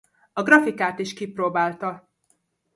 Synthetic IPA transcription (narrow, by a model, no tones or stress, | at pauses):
ɒɡrɒfikaːt̪iʃkiproːbaːlt̪ɒ